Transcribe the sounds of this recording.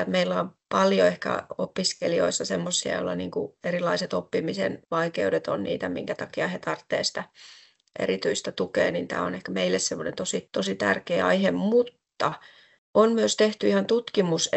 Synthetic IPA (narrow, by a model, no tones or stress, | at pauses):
meilːæompɑljoehkæ̰opiskelio̰isːɑsemːosːiɑ̰jo̰lːɑniːŋkuerilˑɑiset̪opːimisḛnʋɑikeudet̪o̰nnḭːt̪æmḭŋkæt̪ɑkiɑhet̪ɑrt̪ːḛːsi̥t̪æ | ʔḛɾit̪yist̪æt̪ukḛːnint̪æ̰ːonehkæmeilːessemːonent̪osit̪osit̪æ̰rkeːɑ̰ihemmut̪ːɑ | ʔonmyøst̪eht̪yihɑnt̪ut̪kimus